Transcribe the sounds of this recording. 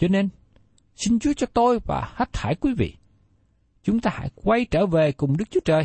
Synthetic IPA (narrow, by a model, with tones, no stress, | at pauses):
t͡ɕɔ˧ne˧n | si˧nt͡ɕu˨˦ət͡ɕɔ˧t̪o˧jva̰ː˨˩ha˦˥t̚t̪ʰaː˧˩jkwi˨˦vḭ˧˨ | t͡ɕʊ˨˦ŋ͡mt̪aː˧ha̰ː˧˥˩jkwa˧jt͡ɕəː˧˩ve˨˩kʊ˨˩ŋ͡mɗɨ˦˥k̚t͡ɕu˦ə˦t͡ɕəː˨˩j